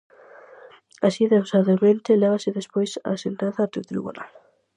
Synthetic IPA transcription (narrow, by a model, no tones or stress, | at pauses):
asiðewsaðament̪elɛβaseðespojsa̰ːsent̪aθaːt̪ɾit̪ɾḭβṵna̰l